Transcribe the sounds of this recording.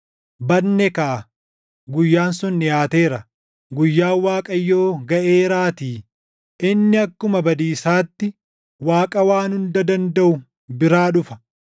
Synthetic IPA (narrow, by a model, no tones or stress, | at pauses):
bɐdnːɛkaː | ɡʊjːaːnsʊnːɪjaːt̪eːɾɐ | ɡʊjːaːwaːkʼɐjːo̞ːɡɐʔeːɾaːt̪iː | ʔɪnːɪɐkːʊmɐbɐd̪iːsaːt̪ːɪ | waːkʼɐwaːnhʊnd̪ɐd̪ɐnd̪ɐʔʊ | bɪɾaːᶑʊfɐ̥